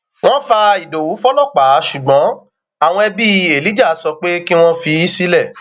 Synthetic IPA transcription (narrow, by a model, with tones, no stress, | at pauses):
w̃ɔ̃˦fa˧i˨do˨wu˨˦fɔ˦lɔ˦˨k͡pa˨˦ʃu˨ɡ͡bɔ̃˨˦ | a˨w̃ɔ̃˧ɛ˧bi˦e˨li˨˦d͡ʒa˦˨˦sɔ˧k͡pe˦ki˦w̃ɔ̃˦fi˧i˦si˦lɛ˦˨